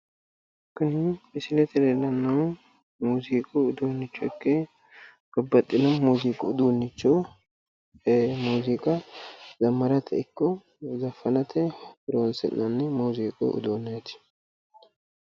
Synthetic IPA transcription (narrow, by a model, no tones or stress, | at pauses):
kːʊnɪmɪsɪlɛt̪ɛlelɐnːɐw | muːziːkʼʊʊd̪oːnːɪt͡ʃːɔɪkːe | b̥ɐbːɐt̪ʼːɪlɐnmuːziːkʼʊʊd̪unːɪt͡ʃːo | muːziːkʼɐzɐmːɐɾɐt̪ʰɛ̰ɪkːɔ | zɐfɐnɐt̪ʰɛbɪɾonsɛ̰nːɐnːɛmuːziːkʼʊ̰ʊ̰d̪oːnːejt̪ɪ̥